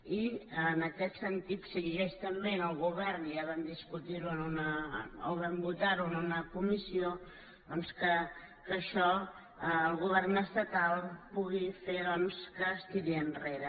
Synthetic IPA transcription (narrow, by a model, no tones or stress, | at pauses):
iənəkɛt̪sənt̪it̪səɣiɣɛʃt̪əmbenəlˠɣuβɛrniaβɛmd̪iskut̪iɾuənunəoβɛmbut̪aɾuənunəkumisio | d̪ɔnskə | kəʃɔ | əːlˠɣuβ̞ɛrnəst̪ət̪alˠpuɣifeðɔnskəːst̪iɾiənreɾə